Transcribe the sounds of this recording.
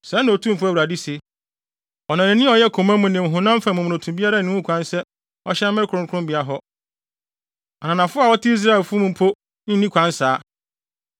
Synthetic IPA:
sɛ˨˦nã˨tʰũ˦m˨fʊ˦æ˨wa˨di˦se˨ | ɔ˨nã˨nɪ̃˨nːɪ̃˦ɔ˨jɛ˦˨kʰo˨mã˦mũ˨nɪ̃˨m̩˨ɦʊ̃˨nã˦m̩˦fã˨mʊ̃˨m̃˨ʊ̃˨tʰũ˨m˦bi˦a˦ɾa˦˨ɪ̃˦wũ˦kʰʷã˦nsɛ˦ | ɔ˦ɕɛ˦m̩˦mɪ˦ɾkʰʊ̃˨˦kʰʊ˦ʊ̃˦mbi˨a˦ɦɔ˦ | a˨nã˨nã˨fʊ˦a˨wɔ˦tʰɪ˦i˦s̬ɾa˦˨lfʊ˦mũ˨m̩˦pʰo˦ | n̩˦nĩ˦kʷʰã˦nsaː˨˦

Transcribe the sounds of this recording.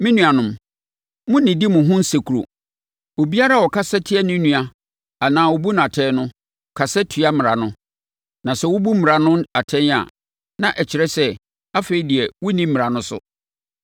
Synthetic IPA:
mĩ˦nũ˨a˨nʊ̃˨m | mʊ̃˦nɪ̃˨di˦mʊ̃˨ɦʊ̃˦n̩˦se˨kʰu˨ɾo̰˨ | o˨bi˦a˦ɾa˦˨wɔ˨kʰa˦sɛ˦tʰɪ˦ɛ˦nɪ̃˦nũ˨a˨ | a˨nãː˨wʊ˦bu˦ñ˨a˨tʰɛ˦nʊ̃˦˨ | kʰa˨sɛ˦tʰɥa˦mɪ̃˨ɾa˨nʊ̃˦ | nã˨sɛ˦wʊ˦bu˦mɪ̃˨ɾa˨nʊ̃˦na˨tʰɛ̃˦na̰˨ | nã˨ʔɛ˨t͡ɕʰɪ˨ɾɛ˦sɛ˦ | a˦fe˨i˨di˨ɛ˨wʊ˦nĩ˦mː˦ɪ̃˨ɾa˨nʊ̃˦sʊ̰˦

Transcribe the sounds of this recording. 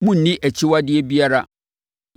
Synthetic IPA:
mʊ̃˦n̩˨nĩ˦ʔæ˨t͡ɕʰi˦wa˦dɪ˦ɛ˦bi˦a˦ɾa˦

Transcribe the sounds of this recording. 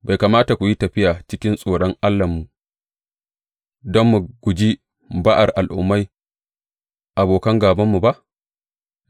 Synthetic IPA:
ba˨jkaː˨maː˦ta˨kʷu˨ji˦tɐ˨ɸɪ˦jaː˨t͡ʃɪ˦kʲɪ˦nsʼoː˨ɽɔ˦ŋʔa˦lːɐ˨mːu˨ | dɔ˦mːu˨ɡ̥ʷʊ˨d͡ʒi˦ | baː˦ʔa˨rʔa˨lʔʊ̰˦mːa˦j | ʔa˨boː˨kɐ˦ŋɡaː˨bɐ˦mːu˨ba˦ʔ

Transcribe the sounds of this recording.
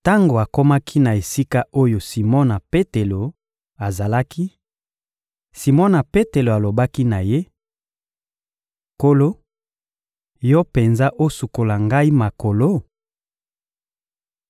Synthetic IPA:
ta˦ŋɡo˨a˨ko˦ma˦kʰi˦na˨e˨si˦ka˦o˦jo˨si˨mɔ˦na˨pe˦te˨lo˨ | a˨za˨la˦ki˦ | si˨mɔ˦na˨pe˦te˨lo˨a˨lo˨ba˦ki˦na˨je˦ | ko˦lo˦ | jɔ˦pe˨nza˦ʔo˦su˨ko˨la˨ŋɡa˦i˦ma˨ko˨lo˦

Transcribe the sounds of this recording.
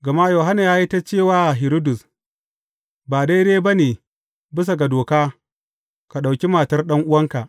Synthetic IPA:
ɡɐ˨ma˦joː˨ɦa˦na˨jaː˦ji˦ta˦t͡ʃeː˦˨waː˦ʔa˨ɦɪ˨ɾo˦dʊ˨s | baː˨da˦jdeː˦ba˦neː˨ | bɪ˦s̬a˨ɡa˨doː˨kaː˦ | ka˨ɗa˨wkʲi˦maː˨tɐ˦rɗɐ˦ŋʔʊ˦wɐ˦ŋka˨ʔ

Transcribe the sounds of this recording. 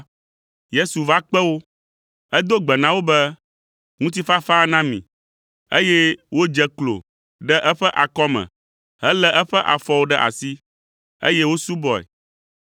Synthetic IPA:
je˦su˨va˦k͡pɛ˦wo˦ | ɛ˦d̪o˦ɡ͡bɛ˨nã˦wo˦bɛ˦ | ŋũ˦t̪̬i˦fa˦fa˦nã˦mḭ̃˨ | e˦jɛ˦wo˦d͡ʒɛ˦klo̰˨ | ɖɛ˦ʔɛ˦ɸɛ˦ʔa˨kɔ˦mɛ̰̃˨ | ɦɛ˦lɛ˦ʔɛ˦ɸɛ˦ʔa˨fɔ˦wo˦ɖɛ˦ʔa̰˨si˦ | ḛ˦jɛ˦wo˦su˦bɔ˨ɛ̰˨

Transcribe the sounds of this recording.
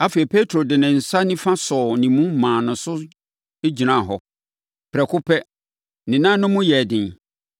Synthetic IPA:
a˦fe˨e˨pʰe˦tʰɾo˨dɪ˨nɪ̃˨n̩˨sa˦nɪ̃˦fã˦sɔ˨nĩ˨mũ˦mãː˨nʊ̃˨sʊ˦ | e˦d͡ʑi˨nã˦˨ɦɔ˨ | pʰɾɛ˨kʰʊ˦pʰɛ˦ | nɪ̃˨nã˦nʊ̃˦mʊ̃˦jɛ˨dɪ̃˨n

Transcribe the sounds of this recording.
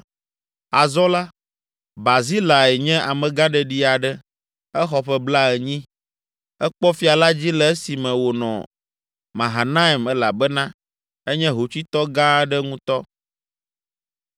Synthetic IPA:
a˨zɔ˦la˦ | ba˨zi˦la˨ɛ˨ɲɛ̃˦ʔa˨mɛ̃˨ɡã˦ɖɛ˨ɖi˦a˨ɖɛ˦ | ɛ˦xɔ˨ɸɛ˦bla˦ɛ˨ɲĩ˦ | ɛ˦k͡pɔ˦fi˦a˨la˦d͡ʑi˦lɛ˨ɛ˦si˨mɛ̃˨wo˨nɔ̰̃˨ | mã˨ɦa˨nã˦i˨mɛ˦la˨bɛ˦nã˦ | ɛ˦ɲɛ̃˦ɦo˨t͡ɕi˦t̪ɔ˦ɡã˦ɖɛ˦ŋũ˦t̪ɔ˦

